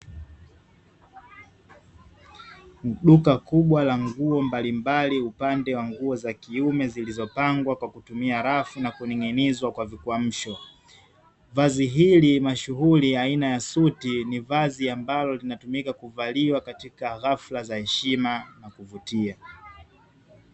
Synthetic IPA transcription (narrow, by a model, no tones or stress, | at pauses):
ɗukakuɓwalaŋɡuɔmbalimbaliupandɛwaŋɡuɔzakiumɛzilizɔpaŋɡwakwakutumiaɾafunakuniŋinizwakwavikwam̩ʃɔ | vaziɦilimaʃuɦuliainajasutinivaziambalɔlinatumikakuvaliwakatikaɣaflazahɛʃimanakuvutia